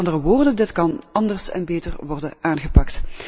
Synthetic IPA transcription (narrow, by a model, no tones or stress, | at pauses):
ndərəʋoːrdəndɪtkɑnɑndərsɛ̰nbeːtərʋɔrdənaːnɣəpɑkt